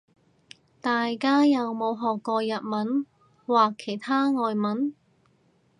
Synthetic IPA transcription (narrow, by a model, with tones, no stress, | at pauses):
t̪aː˨jkaː˥jɐ˨wmo˨˧wɦɔː˨kːɔː˧jɐ˨t̚mɐ˨˥n | waː˨kʰːe˨˩jt̪ʰaː˥ŋɔː˨jmɐ˨˥n